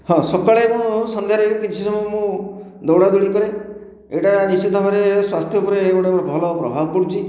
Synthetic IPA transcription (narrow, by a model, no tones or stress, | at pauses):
hɔ̃sɔkaɭemũsɔnd̪ʱjaɾɔekɔkit͡ʃʰisɔmɔmũ | d̪ɔwɽad̪uɭikɔɾe | eʈanisit̪ɔbaɾeswast̪ʰjɔupɔɾeːkɔʈapɾɔbʱɔlɔpɾɔ̰bʱabɔkɔɽut͡ʃʰi